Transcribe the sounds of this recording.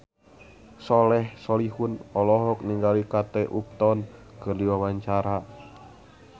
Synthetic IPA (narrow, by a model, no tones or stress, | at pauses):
sɔlɛhsɔliɦunɔlɔɦɔk̚niŋɡalikat̪ɛʔup̚t̪ɔnkɨrdiwawaɲt͡ʃaɾa